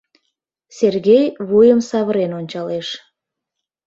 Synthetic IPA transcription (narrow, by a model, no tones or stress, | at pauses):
serɣejβujəmsɑβəɾenonʲt͡ɕɑleʃ